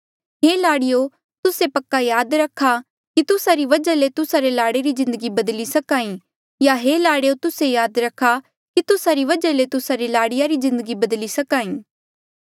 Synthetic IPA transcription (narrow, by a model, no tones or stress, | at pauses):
ɦelaːɽɪjo | t̪ʊsepɐkːajaːd̪ɾɐkʰːa | kit̪ʊsaɾiʋɐd͡ʒalet̪ʊsaɾelaːɽeɾizɪ̃nd̪əɡibɐd̪lisɐkaːĩ | jaɦeːlaːɽijot̪ʊsejaːd̪ɾɐkʰːa | kit̪ʊsaɾiʋɐd͡ʒalet̪ʊsaɾelaːɽɪjaɾizɪ̃nd̪əɡibɐd̪lisɐkaːĩː